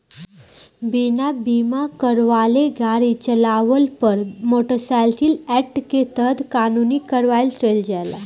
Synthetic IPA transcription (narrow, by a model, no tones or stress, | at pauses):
binabimakəɾʋaleɡaɾit͡ɕəlaʋəlpəɾmoʈəsalt̪iːlɛʈket̪əd̪kanuniːkəɾʋajlt̪ejld͡ʑala